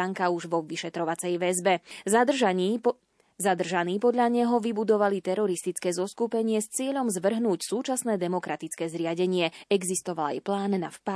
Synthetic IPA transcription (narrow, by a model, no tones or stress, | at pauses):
aŋkauʒʋɔʋiʃɛt̪ɾɔʋat͡sɛjʋɛzbɛ | zad̪r̩ʒaniːpɔd̪ʎaɲɛɦɔʋibud̪ɔʋalit̪ɛɾɔɾist̪it͡skɛːzɔskupɛɲɪɛst͡sɪɛʎɔmzʋr̩ɦnuːcsuːt͡ʃasnɛːd̪ɛmɔkɾat̪it͡skɛːzɾɪaɟɛɲɪɛɛɡzist̪ɔʋala̰jplaːnːa̰fpa